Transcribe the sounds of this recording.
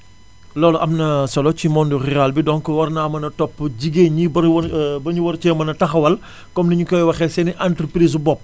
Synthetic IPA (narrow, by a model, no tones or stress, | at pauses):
lɔːlɔʔɐmnɐsɐlɔcimɔndurialbidɔŋkɔwɐrnaːmɐnɐtɔpːɟiɡeɲibɐwbɐɲuwɐɾt͡ʃɛmɐnɐtɐxɐwɐl | kɔmnɐɲukɔjwɐxɛsɛniʔantɾəpɾiːs̬bɔp̚